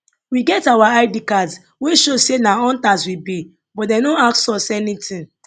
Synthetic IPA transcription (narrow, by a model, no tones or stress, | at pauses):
wiɡɛtawaaɪdikad | weʃosenaɔ̃ntaswibi | bɔt̚dɛnoaksɔsɛnitĩn